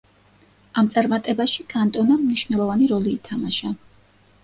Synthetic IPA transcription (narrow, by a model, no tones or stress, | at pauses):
amt̪sʼaɾmat̪ʼɛbaʃikʰʼant̪ʼɔnamniʃvnɛlˠɔvaniɾɔliːt̪ʰamaʃa